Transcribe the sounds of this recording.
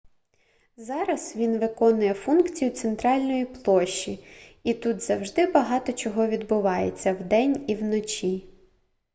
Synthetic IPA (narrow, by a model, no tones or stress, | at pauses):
zɑɾɐzʋʲinʋɪkɔnʊjɛfunkt͡sʲijʊt̪sent̪ɾɑlʲnɔjiplˠɔʃːiit̪ut̪zɐwʒd̪ɪbɐɦɑt̪ɔt͡ʃɔɦɔʋʲid̪bʊʋɑjḛt͡sʲːɐwd̪ɛnʲiwnɔt͡ʃʲi